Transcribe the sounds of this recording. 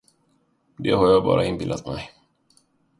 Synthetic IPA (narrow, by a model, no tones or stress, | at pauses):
d̪ɛhaɾjɑːɡbɑ̰ːɾaɪnbɪld̪at̪mɛj